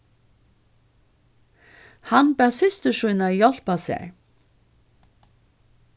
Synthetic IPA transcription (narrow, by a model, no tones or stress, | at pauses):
hanbæːsɪst̪əʂʊjnajɔl̥pasḛɹ